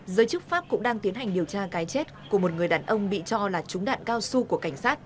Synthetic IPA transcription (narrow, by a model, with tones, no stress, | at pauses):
zəː˨˦jt͡ɕɨ˦˥k̚faː˦˥p̚kʊ̰˧˥ŋ͡mɗaː˧ŋt̪i˨˦ənɦa˨˩jŋ̟ɗi˨˩əwt͡ɕaː˧kaː˨˦jt͡ɕe˦˥t̚ku˧˩əmo˨˩t̚ŋɨ˨˩əjɗaː˨˩nʔə˧wŋ͡mɓḭ˧˨t͡ɕɔ˧laː˨˩t͡ɕʊ˨˦ŋ͡mɗa̰ː˧˨nkaː˧wsu˧ku˧˩əka˧˩jŋ̟saː˦˥t̚